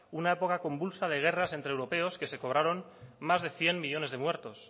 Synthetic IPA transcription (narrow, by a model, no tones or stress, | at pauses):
unae̞po̞kako̞mbulsað̞e̞ɣ̞e̞rase̞nt̪ɾewɾo̞pe̞o̞ske̞se̞ko̞β̞ɾaɾo̞nː | azðe̞θje̞mmiʎo̞ne̞zðemwe̞ɾt̪o̞s